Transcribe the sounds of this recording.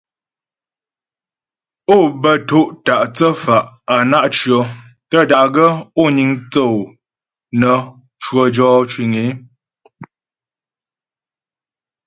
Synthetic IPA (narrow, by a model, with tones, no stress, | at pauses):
o˦˨bə˨to˦ʔta˨ʔt͡sə˦fa˨ʔa˨na˦ʔt͡ʃɰə˨ | tə˦˨da˨ɡə˦o˦˨ɲi˨ŋt͡sə˦˨w | nə˨ | t͡ʃwə˦˨d͡ʒɔː˦t͡ʃwi˨ŋe˨˦